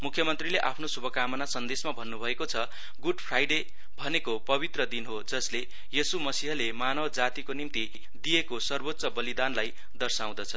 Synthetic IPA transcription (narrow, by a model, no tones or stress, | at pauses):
mukʰjʌmʌnt̪rileʔapʰnosubʱʌkamʌnasʌnd̪esmabʱʌnːubʱʌekot͡sʰʌ | ɡuɖpʰrajɖe | bʱʌnekopʌβit̪rʌd̪inɦod͡zʌsle | jesumʌsiɦʌlemanʌbd͡zat̪ikonimt̪i | d̪ijekosʌrbot̪ːsʌbʌlid̪anlaj | d̪ʌrsaw̃d̪ʌt͡sʰʌ